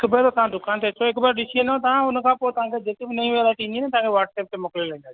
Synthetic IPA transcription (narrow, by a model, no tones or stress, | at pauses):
kʰbət̪ʰot̪ɐãd̪ʱʊkaːnt̪ʰet͡ʃʰoekbəɾɗɪʃʰenõt̪ɐãʊnkʰãːpoːt̪ɐɦãːkʰed͡ʑet̪ebɪnɐĩʋelaːʈĩninẽt̪ɐ̃ɦãːŋkʰeʋaːʈseːp̚t̪emʊklilɐ̃ĩnd̪aː